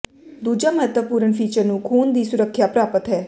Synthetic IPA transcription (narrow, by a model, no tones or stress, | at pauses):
d̪uːd͡ʒaːməɦət̪ʋəpuːɾəɳpʰiːt͡ʃəɾnũːkʰuːnd̪iːsʊɾəkʰːjapɾaːpət̪ɦɛː